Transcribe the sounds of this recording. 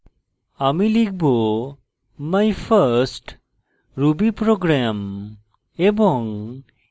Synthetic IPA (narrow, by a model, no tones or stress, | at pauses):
amilik̚bo | majpʰəɾsʈ | ɾubipɾoɡɾam | ebɔŋ